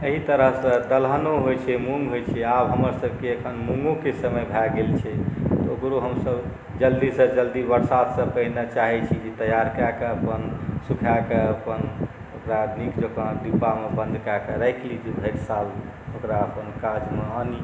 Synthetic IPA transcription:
eɦit̪əɾəɦsə̃d̪əlɦənoɦojt͡ʃʰɛmuŋɡɦojt͡ʃʰɛabɦəməɾsəb̚ʱkeəkʰənmuŋɡõkesəməjbʱɛɡelt͡ʃʰɛt̪ɔokɾoɦəmsəb | d͡ʒəld̪isə̃d͡ʒəld̪ibəɾsat̪ʰsə̃pəɦinət͡ʃaɦɛt͡ʃʰid͡ʒet̪əjaɾkakeəpənsukʰakeəpən | okɾanikd͡ʒokə̃ɖ̪ipːamebə̃nd̪ʱkakeɾaɪklid͡ʒebʱeʈsal | okɾaəpənkad͡ʒmeəni

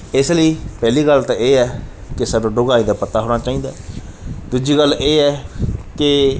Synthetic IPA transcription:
ɪsləiːpɛːliːɡəlt̪ãːeːɛːkɪsəɖõːɖʊɡaːiːd̪aːpət̪aːɦoːnaːt͡ʃaːĩːd̪aːd̪uːd͡ʒiːɡəlːeːɛːkɪ

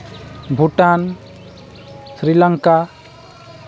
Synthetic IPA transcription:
bʱuʈan | sɾilaŋka

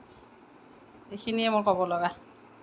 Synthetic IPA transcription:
ejxʰiniɛmʊɹkɔbɔloɡa

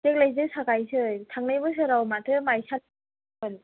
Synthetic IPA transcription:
zek̚lajzɯk̚sakajsɯtʰaŋ̚najbɯs̬ɯɾawmatʰɯmajsa | ɯn

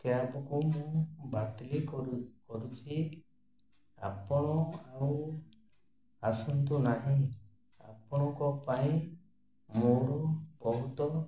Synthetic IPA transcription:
kɛapɔkumũbat̪likkɔɾut͡ʃʰi | a̰pɔɽ̃ɔaw | asɔnt̪unaɦĩ | apɔɽ̃ɔkɔpaĩ | moɾubɔɦut̪ɔ

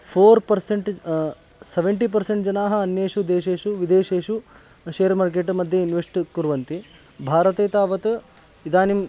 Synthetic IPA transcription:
pʰoːɾpɐɾseɳʈ | seʋeɳʈip̬ɐɾseɳʈd͡ʒɐnaːɦɐɐnjeːʂud̪eːʃeːʃuʋid̪eːʃeːʃu | ʃeːɾmaːɾk̬eʈmɐd̪ʱjɐinʋesʈkuɾʋɐnt̪i | bʱaːɾɐt̪eːt̪aːʋɐt̪ | id̪aːnim

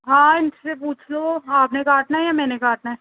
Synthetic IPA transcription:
ɦãːɪnsepuːt͡ʃʰloaːpnekaːʈnajamɛ̃ːnekaːʈ̚na

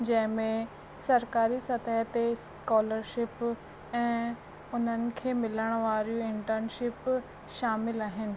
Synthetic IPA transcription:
d͡ʑɐ̃ɦɪ̃mẽ | sɐɾkaːɾisɐt̪əɦt̪es | kaːləɾʃɪp | ɛ̃ː | ʊn̤ənɪ̆kʰeːmɪləɽ̃ʋaːɾijuɪ̃ɳʈəɾnʃɪp | ʃaːmɪlaːɦɪnɪ̆

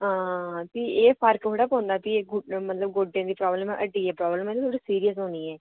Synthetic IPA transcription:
ãːt̪iːeːpʰəɾkɦoːɽaːpõːnd̪aːt̪iɡmət̪ləb̚ɡoːɖẽːd̪iːpɾɔːbləmɛ̃ʔəʈːiːɛːpɾɔːbləmɛ̃ːt̪iːt̪ʰoːɽiːsiːɾijəsɦõːniːɛː

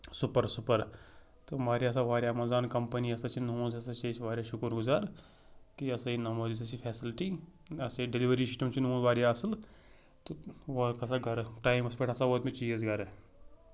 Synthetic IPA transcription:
supəɾsupəɾ | t̪omaːɾaɐs̬aʋaːɾjamɐzaːnkɐmpəniɐsat͡ʃʰinɦõːzɐsɐt͡ʃʰɐsʋaːɾʲjaʃukəɾɡuzaːɾ | kiɐsainɐmɐːzis̬ɐsipʰɛːsilʈi | ɐseɖeliʋəɾisi̥ʈɐmt͡ʃʰinõːzʋaːɾjaɐsəl | t̪oʋokɐsaɡʱɐɾʈaːimɐspeʈʰɐsaʋoːt̪mẽt͡ʃiːzɡɐɾ

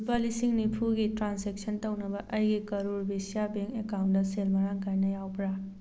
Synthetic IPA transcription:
pɐlisiŋnipʰuɡitɾansek̚sɐntɐwnɐbɐʔɐjɡikɐɾuɾbʱesijabeŋkekawntdɐselmɐɾaŋkajnɐjawpɾa

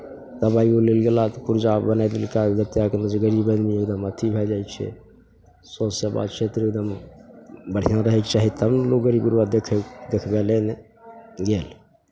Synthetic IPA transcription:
t̪əbaːiolelɡelat̪ɔpʊɾd͡ʒabənajd̪elkad͡ʒ̪ət̪ejaknəd͡ʒeɡəɾibə̃nmiekd̪əmət̪ʰibʱɛd͡ʒaːjt͡ʃʰɛ̰ | sosaba̰ːd̪t͡ʃʰet̪ɾekd̪əm | bəɽ̤inaɾəɦɛkt͡ʃaːɦit̪əbnloɡəɾibɡuɾbad̪ekʰd̪ekʰbelene | ɡeːl

